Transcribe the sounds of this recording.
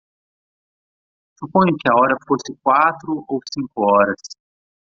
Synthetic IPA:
supõɲʊkɪɐɔɾɐfosɪkwat̪ɾʊʔowsĩŋkʊɔɾɐs

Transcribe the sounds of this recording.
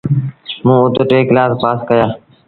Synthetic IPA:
mũːʊt̪ʈeːklaːspaːskəjaː

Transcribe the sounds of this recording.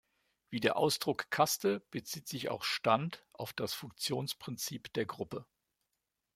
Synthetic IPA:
v̥iːdeːɐʔaʊsd̥ʁʊkkʰastəb̥ət͡siːtz̥ɪça̰ʊxʃtantʔa̰ʊfd̥asfʊŋk̚t͡sjoːnspʁ̥ɪnt͡siːpd̥eːɐɡʁʊpə

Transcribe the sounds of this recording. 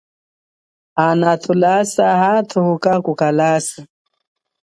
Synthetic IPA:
anat̪ʰulasahat̪ʰuhukakukalasa

